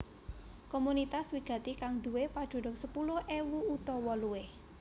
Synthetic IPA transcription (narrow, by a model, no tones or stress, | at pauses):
komunit̪aswiɡ̥ä̤t̪ikaŋd̪̥ṳwepad̥ʒ̥o̤ɖʊk̚səpulʊhʔewuut̪ɔwɔlueh